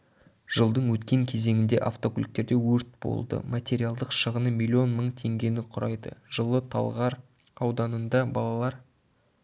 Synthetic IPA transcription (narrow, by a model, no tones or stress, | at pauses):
ʒ̥əlˠd̪əɴwɵt̪kʲe̞ŋkʲʰe̞ze̞ŋɪnd̪e̞ʔaft̪o̞kulʲik̚t̪e̞ɾd̪e̞wɵɾt̪̚bo̰lˠd̪ə̰mat̪ʲe̞ɾialˠd̪əqʃəʁənəmʲilʲːio̞nməɴt̪ʰe̞ŋɡʲe̞nɪqʰʊɾʔɑjd̪ə̰ʒəlˠət̪ʰɑ̰lˠʁɑɾ | ɑwd̪ɑnənd̪ɑbɑlˠɑlˠɑɾ